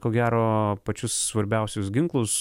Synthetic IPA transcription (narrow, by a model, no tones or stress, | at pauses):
koːɡʲæːɾoːpɐt͡ʃʲʊsːʋɐɾʲbʲɛˑʊsʲʊsɡʲɪŋklˠʊs